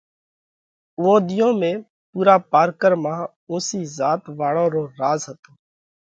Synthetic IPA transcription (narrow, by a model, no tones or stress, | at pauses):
ʊːõːd̪ɪjõːmẽː | puːɾaːpaːɾkəɾmãː | õːsiːzaːt̪ʋaːɽõːɾoːɾaːzɦət̪oː